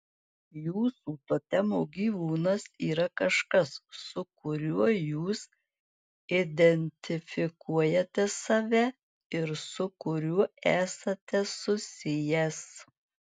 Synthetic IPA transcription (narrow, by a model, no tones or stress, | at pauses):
juːsuːt̪oːt̪ʲɛmoːɡʲiːʋuːnɐsiːɾɐkɐʃkɐssʊkʊɾʲuɔjuːs | ɪd̪ʲɛnʲt̪ʲɪfʲɪkuɔjɛt̪ʲɛsɑʋʲɛ | ɪɾsʊkʊɾʲuɔæːsɐt̪ʲɛsʊsʲɪjɛs